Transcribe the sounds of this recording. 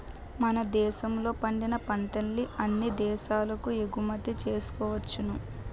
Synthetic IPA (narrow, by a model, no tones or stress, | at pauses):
mɐnɐd̪ɛːʃɐmlo̞ːpɐɳɖinɐpɐɳʈɐlliʔɐnːid̪ɛːʃaːlɐkueɡumɐt̪ːit͡ʃe̞ːsu̥kɔːʋɐt͡ʃːunu